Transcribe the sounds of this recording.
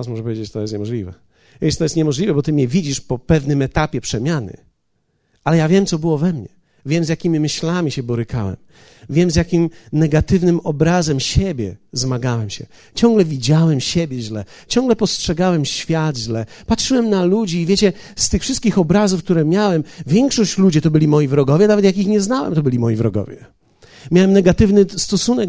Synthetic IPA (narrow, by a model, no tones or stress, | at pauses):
asmɔʐɛp̬ɔvʲjed͡ʑet͡ɕt̪ɔjɛst̪ɲɛmɔʐlʲivɛ | ɛt̪ɔjɛst̪ɲɛmɔʐlʲivɛbɔt̪ɘmʲɛvʲid͡ʑiʂpɔpɛvnɘmɛt̪apʲjɛpʂɛmʲanɘ̰ | alɛjavʲjɛmt̪sɔbɘwɔvɛmɲɛ | vʲjɛmzʲjakʲimʲimɘɕlamʲiɕɛbɔɾɘka̰wɛ̰m | vʲjɛmzjakʲimnɛɡat̪ɘvnɘmɔbɾazɛmɕɛbʲjɛ̰zmaɡawɛmɕɛ̰ | t͡ɕɔ̃ŋɡlɛvʲid͡ʑawɛmɕɛbʲjɛʑlɛ | t͡ɕɔŋɡlɛpɔstʂɛɡawɛmɕfʲjad̪ʑlɛpatʂɘwɛmnalud͡ʑiːvʲjet͡ɕɛ | st̪ɘxfʂɘst̪̚kʲixɔbɾazufk̚t̪uɾɛmʲjawɛmvʲjɛŋkʂɔɕt͡ɕlud͡ʑɛt̪ɔbɘlʲimɔjivɾɔɡɔvʲjɛnavɛt̪jak̬ixɲɛznawɛ̰mt̪ɔbɘlʲimɔjivɾɔɡɔ̰vʲjɛ | mʲjawɛmnɛɡat̪ɘvnɘst̪ɔsunɛ